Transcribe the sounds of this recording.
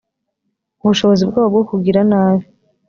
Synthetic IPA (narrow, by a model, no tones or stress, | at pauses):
uβuʃo̞βo̞zibɡaːβab̚ɡokuɡiɾanaːβi